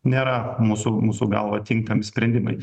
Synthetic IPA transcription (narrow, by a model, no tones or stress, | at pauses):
nʲeːɾɐmuːsʊmuːsuɡɐ̰lˠʋɐt̪ʲɪŋk̚t̪ɐmʲɪsʲpʲɾʲɛnʲd̪ʲɪmɐ̰ɪ